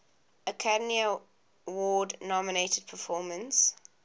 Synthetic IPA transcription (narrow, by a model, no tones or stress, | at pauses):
əkʰadmiə | wɔːdnɔmɪnetəd̥̚pʰəfɔːmə̃ns